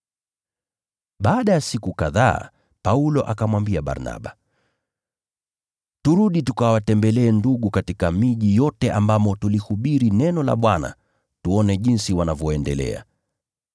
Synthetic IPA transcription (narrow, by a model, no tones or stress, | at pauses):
ɓaːɗajasikukaða̰ː | paulɔʔakamwambiaɓa̰ɾna̰ɓa | tuɾuɗitukawatɛmbɛlɛːnduɠukatikamiʄijɔtɛʔambamɔtulihuɓiɾinɛnɔla̰ɓwana̰ | tuɔnɛʄinsiwanavjɔɛndɛlɛ̰a̰